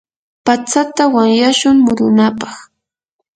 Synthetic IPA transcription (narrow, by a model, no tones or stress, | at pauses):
pat͡sat̪awaŋjaʃʊŋmʊɾʊnapɑχ